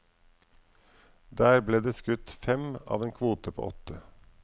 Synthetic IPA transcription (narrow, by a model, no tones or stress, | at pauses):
d̪æːɾbleːd̪eːskʉt̪fɛmɑ̰ːʋeːnkʰʋuːt̪əpʰo̰ːʔɔt̪ə